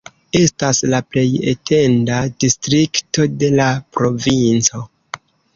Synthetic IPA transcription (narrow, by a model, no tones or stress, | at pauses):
e̞staslaple̞jḛte̞ndadistɾikto̞de̞lapɾo̞vint͡so̞